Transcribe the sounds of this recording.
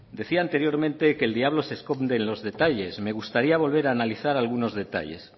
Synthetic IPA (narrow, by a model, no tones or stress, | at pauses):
d̪e̞θiant̪e̞ɾjo̞ɾmẽ̞nt̪e̞keːld̪iaβ̞lo̞seskomnd̪enlo̞zðe̞t̪aʎe̞sme̞ɣ̞ust̪aɾiaβ̞o̞lβ̞e̞ɾaːnaliθaɾalɣuno̞zðe̞t̪a̰ʎe̞̰s